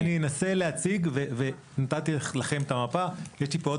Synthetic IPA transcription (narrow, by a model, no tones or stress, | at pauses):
nijenase̞leat͡siɡveve | nat̪at̪ilaχe̞mt̪amapajeʃlipoo